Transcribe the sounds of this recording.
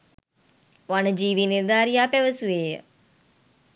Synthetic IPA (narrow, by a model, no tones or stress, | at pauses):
ʋɐnəd͡ʒiːʋiniɾd̪aːɾijaːpeʋəsueːjə̰